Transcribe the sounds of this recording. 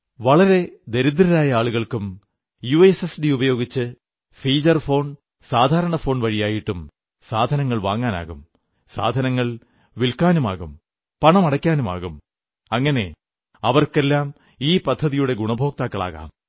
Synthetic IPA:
ʋɐɭɐɾe̞d̪eɾud̪ɾɐɾaːjɐaːɭuɣɐɭkum | juesesdiubɐjo̞ːɡit͡ɕːɨ | fiːd͡ʑɐrfo̞ːɳ | saːd̪ʱaːɾɐɳɐfo̞ːɳʋɐɻijaːjiʈːum | saːd̪ʱɐnɐŋːɐɭʋa̰ːŋːaːna̰ːɣum | sa̰ːd̪ʱɐnɐŋːɐɭ | ʋilkaːnuma̰ːɣum | pɐɳɐmɐɽɐkʲːaːnuma̰ːɣum | ɐŋːɐne̞ | ɐʋɐrke̞lːaːm | iːpɐd̪ʱːɐðijuɽe̞ɡuɳɐbʱo̞ːk̚t̪aːkːɐɭa̰ːɣa̰ːm

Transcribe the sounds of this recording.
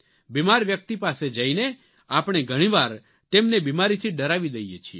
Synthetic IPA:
bimaɾʋjək̚t̪ipased͡ʒaine | apɽ̃eɡʱəɽ̃ĩʋaɾ | t̪emnebimaɾit̪ʰiɖəɾaʋid̪əjet͡ʃʰie

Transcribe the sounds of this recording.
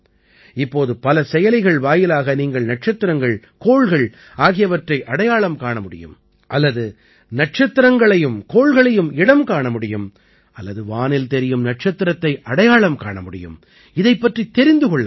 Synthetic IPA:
ɪpːoːðɯpɐlɐsɛjɐlɪɣɐɭʋaːjɪlaːɣɐniːŋɡɐɭnɐʈ̚t͡ʃɐt̪ːɪɾɐŋɡɐɭ | koːɭɣɐɭ | aːɣɪjɐʋɐʈrɐɪʔɐɽɐjaːɭɐmkaːɳɐmʊɽɪ̰jɯ̰m | ʔɐlːɐðɯ | nɐʈ̚t͡ʃɐt̪ːɪɾɐŋɡɐɭɐjɯmkoːɭɣɐɭɐjɯmɪɽɐmkaːɳɐmʊɽɪjɯm | ɐlːɐðɯʋaːnɪlt̪ɛɾɪjɯmnɐʈ̚t͡ʃɐt̪ːɪɾɐt̪ːɐɪʔɐɽɐjaːɭɐmkaːɳɐmʊɽɪ̰jɯ̰m | ɪðɐɪpːɐʈrit̪ɛɾɪnd̪ɯkɔɭːɐ

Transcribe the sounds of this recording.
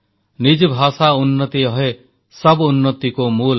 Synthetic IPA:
nid͡ʒbʱasaunːɔt̪iɔɦe | sɔbunːɔt̪ikomul

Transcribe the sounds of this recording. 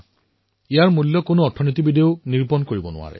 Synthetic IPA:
ijaɹmulːɔkonoɔtʰːɔnit̪ibideʊniɹpɔnkoɹibɔnʊ̰a̰ɹɛ̰

